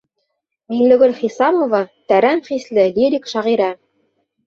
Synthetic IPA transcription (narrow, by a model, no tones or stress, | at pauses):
miŋlɵ̆ɡɵlχisɑmovɑt̪æɾæmχislɘlʲiɾʲikʃɑʁiɾæ